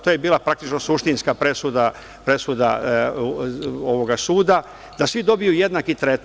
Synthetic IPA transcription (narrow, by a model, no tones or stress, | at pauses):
t̪oːjebiːlˠapɾak̚t̪it͡ʃno̞suʃt̪inskapɾe̞sud̪a | pɾe̞sud̪a̰ | oʋo̞ɡasuːd̪a | d̪asʋid̪o̞bijuje̞d̪nakit̪ɾet̪